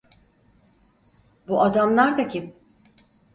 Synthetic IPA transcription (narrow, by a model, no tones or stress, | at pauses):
buʔad̪amlˠaɾd̪acʰim